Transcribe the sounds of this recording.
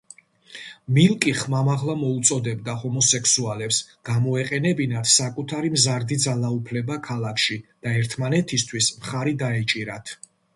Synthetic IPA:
milˠkʼiχmamaʁlˠamɔut̪sʼɔd̪ɛbd̪ahɔmɔsɛkʰsualɛpsɡ̥amɔɛqʼɛnɛbinat̪ʰsakʼut̪ʰaɾimzaɾd̪id̪zalˠaupʰlɛbakʰalˠakʰʃid̪̥aɛɾt̪ʰmanɛt̪ʰist̪ʰwismχaɾid̪aɛt͡ʃʼiɾat̪ʰ

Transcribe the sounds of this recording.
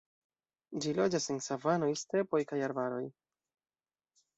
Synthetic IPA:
d͡ʒilo̞d͡ʒasensavano̞jst̪ɾe̞po̞jkajaɾbaɾo̞j

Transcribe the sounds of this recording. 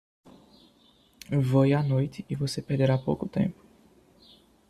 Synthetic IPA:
vojanojt̪ɪːvosepeɾd̪eɾapowkʊt̪ḛ̃mpʊ̥

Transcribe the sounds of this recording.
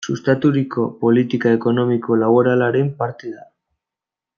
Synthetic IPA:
sust̪at̪uɾiko̞po̞lit̪ikae̞ko̞no̞miko̞laβoɾalaɾempaɾt̪eða

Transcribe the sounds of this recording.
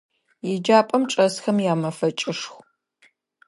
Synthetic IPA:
jɪd͡ʒaːpʼɐmʈ͡ʂʼɐsxɐmjaːmɐfɐt͡ʃʼɪʂxʷ

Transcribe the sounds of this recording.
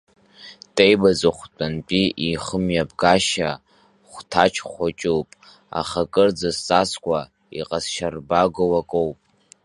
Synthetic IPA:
tʼejbazaχʷt͡pʼanpʼiʔiχəmjabɡaʃa | χʷtʰat͡ʃʰχʷat͡ʃʼuwpʼ | a̰χakʼɨrd͡zasaskʷʰʼa | ḭqʼasʃarbaɡowakʼowpʼ

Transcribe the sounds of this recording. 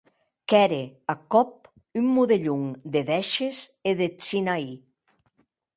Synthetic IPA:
kɛɾeakɔp̚ | ymːuðeʎuŋd̪eðɛʃeseðet͡sinai

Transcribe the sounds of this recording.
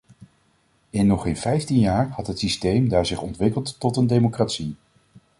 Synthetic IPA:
ɪnːɔχejnvɛjftinjaːɹhɑtɦətsistejmdaːɹzɪχɔntʋɪkəlˠtːɔtəndejmokratsi

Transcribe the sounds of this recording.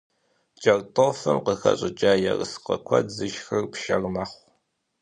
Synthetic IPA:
d͡ʒʼɐrtʼofɐmqəxɐ̰ɕʼɪd͡ʒʼaːjɛrɨsqɐ̰kʷʰɐ̰dzɨʃxɨrpʃɐrmaːχʷ

